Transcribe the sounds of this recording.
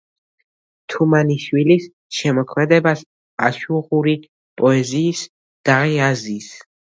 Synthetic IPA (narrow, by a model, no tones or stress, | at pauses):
t̪ʰumaniʃwilis | ʃɛmɔkʰmɛd̪ɛbas | aʃuʁuɾi | pʼɔɛziːs | d̪̥aʁiaziːs